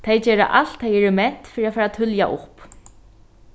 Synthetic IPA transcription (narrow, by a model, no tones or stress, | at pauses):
t̪ʰejd͡ʑɛːɾa̰ʔal̥t̪ʰːajɛɾɪmɛn̥t̪fɪːɾiafaːɾat̪ʰʏlja̰ʔʊp